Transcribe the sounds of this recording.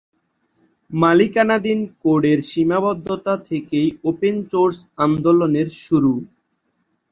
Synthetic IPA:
malikanad̪inkoɖeɾʃimabɔd̪ʱːot̪at̪ʰekejopensoɾsand̪oloneɾʃuɾu

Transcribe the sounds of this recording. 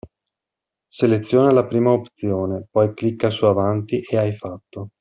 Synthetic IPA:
selet̪sːjoːnalapɾiːmaopt̪sjoːnepɔjklikːasuavant̪iʔeajfat̪ːo

